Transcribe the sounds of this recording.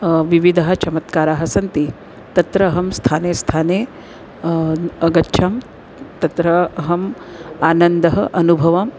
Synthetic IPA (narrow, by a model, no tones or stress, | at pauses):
ʋiʋid̪ʱaɦɐ̆t͡ʃɐmɐt̪kaːɾaːɦɐsɐnt̪i | t̪ɐt̪ɾɐɦɐmst̪ʰaːneːst̪ʰaːneː | ɐɡɐtːʃʰɐm | t̪ɐt̪ɾɐɦɐm | aːnɐnd̪ɐɦɐʔɐnubʱɐʋɐm